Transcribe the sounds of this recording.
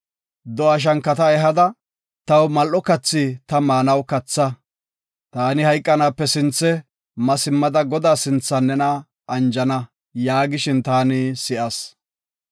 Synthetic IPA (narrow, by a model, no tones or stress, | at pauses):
d̪ɔɐʃ̬ɐŋkːɐt̪ɐɛɦɐd̪ɐ | t̪ɐwmɐlʔɔkɐt͡sːit̪ɐmaːnɐwkɐt͡sːɐ | t̪aːnɪhɐjkʼːɐnaːpːɛsɪnt͡sːɛ | mɐsɪmːɐd̪ɐɡɔd̪aːsɪnt͡sːɐnːɛnɐː | nd͡ʒɐnɐ | jaːɡɪʃɪnt̪aːnɪsɪʔɐs